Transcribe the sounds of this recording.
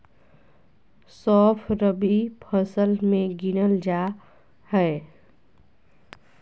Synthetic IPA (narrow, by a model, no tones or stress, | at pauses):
sɔːpʰɾəbipʰəsəlmẽɡinəld͡ʒa | hɛ